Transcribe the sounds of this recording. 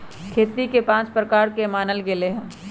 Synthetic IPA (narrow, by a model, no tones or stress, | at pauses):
kʰeːt̪ikepãːt͡ʃpɾəkaːɾkemaːnəlɡeleɦɛ̃ː